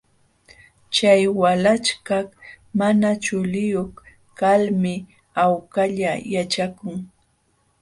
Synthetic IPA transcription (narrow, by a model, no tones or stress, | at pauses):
t͡ʃajwalat͡ʃkak | manat͡ʃʊlɪjoχ | kalmɪ | awkaʎajat͡ʃakʊŋ